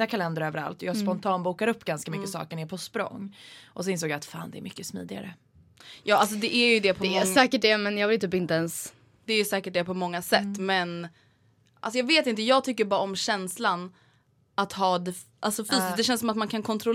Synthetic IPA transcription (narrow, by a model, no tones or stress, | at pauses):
akʰalɛnd̪əɾœːvəɾa̰lt̪ɔjɑːɡspɔnt̪ʰɑːnbuːkaɾɵpːɡanskamʏkkːəsɑ̰ːkəɳɪːɾpʰɔspɾɔ̰ŋːʔɔsɔɪnsoːɡjaːt̪fa̰ːnd̪ɛɛ̰ɾmʏkːəsmḭːd̪ɪɡa̰ɾə̰ | jɑːals̬ɔd̪ɛʔæɾjɵd̪ɛpʰɔɛsɛːkəʈ̚dɛmɛnjɑːɡvɪlt̪ʰyːpɪnt̪əɛns | d̪̥ɛæjɵsɛːkəʈ̚d̪ɛpʰɔmɔŋːasɛt̪ːmɛn | ʔa̰lsɔjɑːɡveːt̪ɪnt̪̬əjɑːɡ̚t̪ʰʏkːəɾbɑːɾaɔmɕɛnslan | at̪ɦɑːd̪ɛ | ʔalsɔfyːsɪsd̪ɛɕɛnsɔmat̪mankʰankʰɔnt̪ʰɾɔl